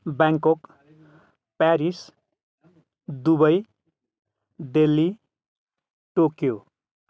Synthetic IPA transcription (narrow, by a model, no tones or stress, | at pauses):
baŋkok | paɾis | d̪ubʌj | d̪elːi | ʈokjo